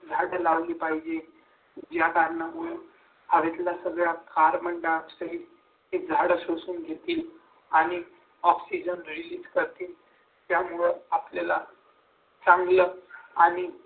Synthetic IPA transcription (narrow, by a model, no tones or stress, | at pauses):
d͡zʱaɽəlaʋliːpaɦid͡ʑe | d͡ʑjakaɾnamuɭe | haʋet̪lasəɡɭjakaɾməɳɖaksəɦi | ɦed͡zʱaɽəɕosuːnɡʱet̪iːl | aɽ̃i | ɔksid͡ʑənɾiliːd͡zkəɾt̪iːl | t̪jamuɭəapljala | t͡sãŋɡləːaɽ̃i